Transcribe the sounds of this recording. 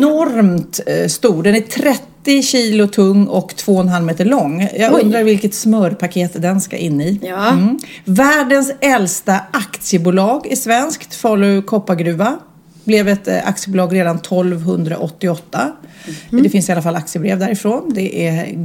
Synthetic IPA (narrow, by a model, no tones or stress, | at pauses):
ɔɾmt̪st̪uːɖɛnæʈʰɾɛt̪ːɪɕiːlʊt̪ʰɵŋːɔkt̪ʰv̥oːɔnɦalmeːt̪əɭɔŋːjɑːɡɵnd̪ɾaɾvɪlkət̪smœːɾpʰakʰeːt̪d̪ɛnska̰ʔɪnːɪ | væːɖənsɛlst̪aʔakt̪sɪjəbuːlɑːɡɪsvɛnskt̪fɑːləkʰɔpːaɡɾʉ̟ːva | blɛvɛt̪a̰k̚t̪sɪəbʊːlɑːɡɾeːd̪ant̪ʰɔlvɦɵnd̪ɾa̰ʔɔt̪ːɪɔt̪ːa | d̪ɛfɪnsɪalafalːakt̪sɪəbɾeːvd̪æɾɪfɾoːnd̪ɛʔæ